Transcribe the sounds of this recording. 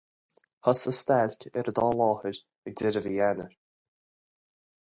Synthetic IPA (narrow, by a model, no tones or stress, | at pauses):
həsəst̪alʲkʰɪɾəd̪ɔːlˠɔːhəɾ | ɪk̚d̪ɪɾəvəjanə̰ɹ